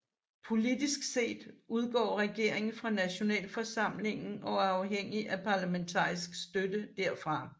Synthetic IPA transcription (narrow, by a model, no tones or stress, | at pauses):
pʰo̝lid̥isɡ̥se̝̰ːd̥uð̞ˠɡ̥ɒ̰ːʁɛɡ̥e̝ɐ̰eŋn̩fʁɑ̈næɕo̝nɛ̰ːlfɒ̽sɑ̈m̰le̝ŋn̩ɒ̽æɐɑ̈ʊɦeŋ̰iʔæpʰɑ̈ːlæment͡sʰɑ̰̈ːisɡ̥sd̥ød̥əd̥æɐ̰fʁɑ̈